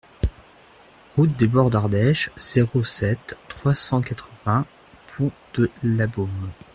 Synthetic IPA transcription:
ʁut̪̚d̪ebɔʁd̪aʁd̪ɛʃz̥eʁosɛt̪ːχwasɑ̃kat̪χəvɛ̃ | pʰɔ̃d̪̥əlabɔm

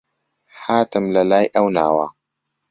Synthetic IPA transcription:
ħaːtɨmlɐlaːjʔɐwnaːwa

